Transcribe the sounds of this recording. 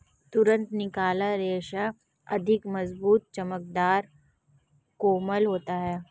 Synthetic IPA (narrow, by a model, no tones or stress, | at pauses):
t̪ʊɾə̃nt̪nɪkaːlaɾeːʃa | ɐ̰d̪ʱɪkmɐzbuːt̪̚t͡ʃɐmək̚d̪aːɾ | koːməlɦoːt̪aɦɛː